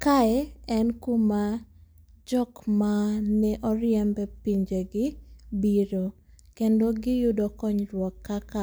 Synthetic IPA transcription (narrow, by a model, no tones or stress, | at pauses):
kaɛɛnkuma | d͡ʒɔkmanɛʔɔɾɪjɛmbɛpiɲd͡ʒeɡɪbiɾo | kendoɡɪjʊdɔkɔɲɾwɔkːaka